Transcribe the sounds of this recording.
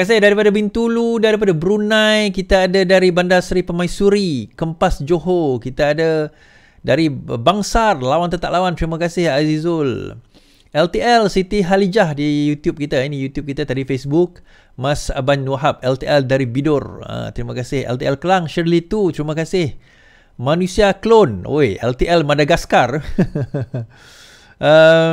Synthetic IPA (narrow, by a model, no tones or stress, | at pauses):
asɪhdaɾipadabint̪uludaɾipadabəɾunãjkit̪aːdadaɾibandasɾipamajsuɾikəmpasd͡ʒoɦokit̪aːda | daɾibaŋsarlawant̪ət̪a̰ʔlawant̪ɾimakasɪhazizʊl | ɛlt̪iɛlsit̪iɦalid͡ʒahdijut̪jup̚kit̪ainijut̪jup̚kit̪at̪adifesbuk̚ | masabanwaɦap̚ɛlt̪iʔɛldaɾibidʊrə̰t̪ɾimakasɪhɛ̰lt̪iɛlkəlaŋʃəɾlit̪ut̪ɾimakasɪh | mãnusiaklono̰eʔɛ̰lt̪iʔɛlmadaɡaskar | ə